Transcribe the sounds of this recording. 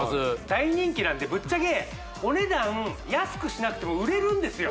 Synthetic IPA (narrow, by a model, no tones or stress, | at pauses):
zɨd̪aiɲ̟ĩŋkʲinãnd̪e̞bɯ̟t͡ɕːaɡe̞ | o̞ne̞d̪ãjasɨ̥kɯ̟ɕinakɯ̟̥t̪e̞mo̞ɯ̟ɾe̞ɾɯ̟̃nd̪e̞sɨjo